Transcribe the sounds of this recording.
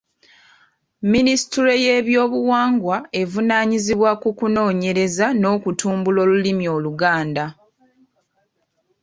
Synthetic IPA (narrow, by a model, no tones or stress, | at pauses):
ministiɾe̞je̞βjo̞ːβuwaːŋɡwae̞vunaːɲiziβwakukuno̞ːɲe̞ɾe̞zano̞ːkutʰuːmbulo̞ːlulimjo̞ːluɡaːnda